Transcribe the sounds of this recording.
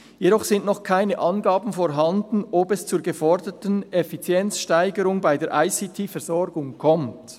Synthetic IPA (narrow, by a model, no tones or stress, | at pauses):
jeɾɔχsɪntnɔχkʰaɪnəʔɑnɡaːbn̩foːɾɦɑndn̩ʔobɛst͡suːɹɡəfɔɾdətənɛfit͡sjɛnt͡sʃtaɪɡəɾʊŋbaɪdeːʔaɪsitʰiːfɛɐɾz̥ɔɾɡʊŋkʰɔmt